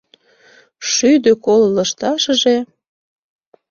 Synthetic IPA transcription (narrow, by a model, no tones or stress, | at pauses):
ʃyd̪økolləʃt̪ɑʃəʒe